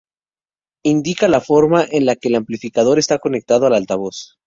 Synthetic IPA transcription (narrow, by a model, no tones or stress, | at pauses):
ind̪ikalafo̞ɾmaʔenlake̞ːlamplifikað̞o̞ɾe̞st̪ako̞ne̞k̚t̪að̞oalalt̪aβo̞s